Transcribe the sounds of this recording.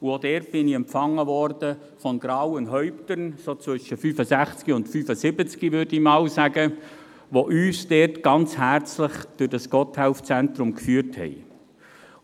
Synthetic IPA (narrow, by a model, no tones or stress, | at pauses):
uod̥ɛːrt̚b̥ɪniɛmpfɑŋːəʋɔrd̥ə | fɔnɡ̥ɾɑwənɦœʏptənsoːt͡sʋʏʃəfyːfəsæχt͡skiʊntfyːfəsɪbət͡skiʋʏɾdimɑːlsæɡə | ʋoʔyːsd̥ɛtɡ̥ɑnt͡shært͡sləχd̥ʊdɑsɡ̥ɔthɛʊft͡sɛntɾʊmkfyəɾthɛ̰ɪ